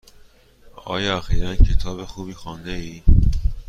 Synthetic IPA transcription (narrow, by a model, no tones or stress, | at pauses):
ɒ̰ːjæxiːɾæncʰe̞t̪ʰɒːβexuːbiːxɒːnd̪eiː